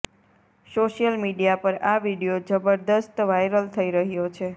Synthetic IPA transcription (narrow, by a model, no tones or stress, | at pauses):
soʃijəlmiɖijapəɾaʋiɽijod͡ʒəbəɾd̪əst̪ʋajɾəlt̪ʰəiɾəɦjot͡ʃʰe